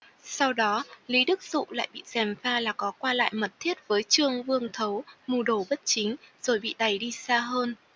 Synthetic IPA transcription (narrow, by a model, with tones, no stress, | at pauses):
sa˧wɗɔ˨˦li˨˦ɗɨ˦˥k̚zṵ˧˨la̰ː˧˨jɓḭ˧˨zɛ˨˩mfaː˧laː˨˩kɔ˨˦kwaː˧la̰ː˧˨jmə˨˩t̚t̪ʰi˦˥ət̚vəː˨˦jt͡ɕɨ˧əŋvɨ˧əŋt̪ʰə˨˦wmu˧˩ɗo˧˩ɓə˦˥t̚t͡ɕï˨˦ŋ̟z̥o˨˩jɓḭ˧˨ɗa˨˩jɗi˧saː˧ɦəː˧n